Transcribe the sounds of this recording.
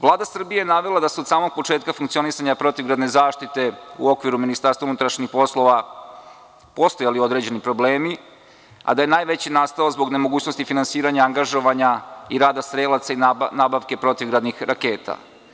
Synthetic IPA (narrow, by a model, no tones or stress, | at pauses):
ʋlˠaːd̪asr̩bijejnaʋelˠad̪asud̪saːmo̞ɡ̚po̞t͡ʃe̞ːt̪kafuŋkt̪sio̞nisaɲapɾo̞t̪iʋɡɾad̪ne̞zaːʃt̪it̪e̞ṵo̞kʋiɾuminist̪aɾst̪vaunut̪ɾaʃɲixpo̞slˠo̞ʋa | po̞st̪ojalio̞d̪ɾe̞d͡ʑe̞nipɾo̞ble̞ːmi | a̰d̪ajenaːjʋe̞t͡ɕinast̪aozbo̞ɡne̞mo̞ɡuːt͡ɕno̞st̪ifinansiːɾaɲaːŋɡaʒo̞ʋaɲaiɾaːd̪asɾeːlˠat̪sainaːbaʋke̞pɾo̞t̪iʋɡɾad̪nixɾake̞ːt̪a̰